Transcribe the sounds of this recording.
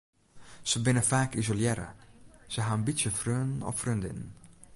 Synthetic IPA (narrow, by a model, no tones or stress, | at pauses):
səbɪnəfaːkizoljɛɾə̰z̥əɦaːənbitsjəfrøːnɔ̰ffrøndɪ̰nn